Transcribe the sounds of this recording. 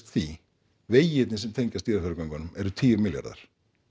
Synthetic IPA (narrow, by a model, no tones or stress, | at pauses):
t̪θi | veːjɪt̪nɪsɛmt̪ʰejɲcast̪iːɾafɛɾʏkaŋkanːʏmɛɾʏt̪ʰiːʏmɪlja̰ɾða̰ɾ̥